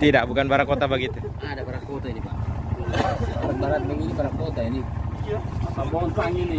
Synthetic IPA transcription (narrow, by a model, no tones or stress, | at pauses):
t̪idaʔbukanbaɾakot̪abaɡit̪u | aːdabaɾakot̪ainipaʔaaɾabaɾat̪̚baŋinibaɾakot̪aini | pabɔɔnpaŋini